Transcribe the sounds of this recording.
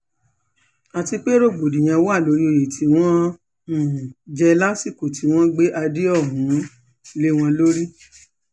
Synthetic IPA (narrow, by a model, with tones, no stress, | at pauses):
a˨ti˧k͡pe˦ɾo˦˨ɡ͡bo˨di˨j̃ã˨˧wo˦a˦˨lo˨˧˦ɾi˦o˧˨je˨tʰi˨˧˦w̃ɔ̃˦ | n̩˦˨d͡ʒɛ˧la˦si˦˨ko˨ti˨˦w̃ɔ̃˦ɡ͡be˦ʔa˧di˦ɔ˦˨ɦũ˨˦ | le˦w̃ɔ̃˧lo˦ɾi˦